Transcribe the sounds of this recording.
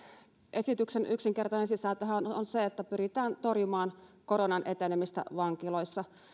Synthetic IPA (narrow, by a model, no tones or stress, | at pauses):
ʔesit̪yksenʔyksiŋkert̪ɑnesisænt̪øhænonseet̪ːæpyɾit̪æːnt̪orjumɑːnkoɾonɑnʔet̪enemist̪æ̰ʋɑŋkiloisːɑ